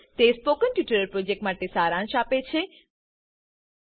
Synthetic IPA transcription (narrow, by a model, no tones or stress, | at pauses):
t̪espokənʈjuʈəɾəɾpɾod͡ʒek̚ʈmaʈesaːɾãʃapet͡ʃʰe